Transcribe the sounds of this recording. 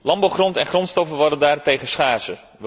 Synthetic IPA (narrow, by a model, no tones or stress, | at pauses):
lɑmbawχrɔntɛnχrɔntstɔfəʋɔdəndaːrtejɣəsχaːzə | ʋ